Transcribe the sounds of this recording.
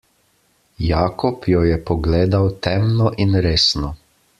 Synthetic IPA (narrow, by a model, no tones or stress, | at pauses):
jaːkɔpjɔjɛpɔɡleːd̪awt̪ɛmnɔʔinɾeːsnɔ